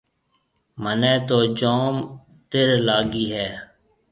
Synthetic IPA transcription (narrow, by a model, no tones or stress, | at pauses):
mənɛːt̪oːd͡ʒoːm | t̪ɪɾlaːɡiːɦɛː